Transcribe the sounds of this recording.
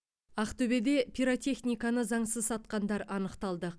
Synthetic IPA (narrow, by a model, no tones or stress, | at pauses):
ɑqt̪ʰɵbe̞d̪e̞pʰʲiɾot̪ʲe̞χnʲijkanəzɑɴsəzsɑt̪̚qɑnd̪ɑɾɑnəqt̪ɑlˠd̪ə